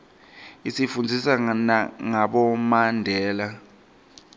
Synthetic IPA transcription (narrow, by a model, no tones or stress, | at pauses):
isifund͡zʱisanaŋaɓɔmandʱɛːla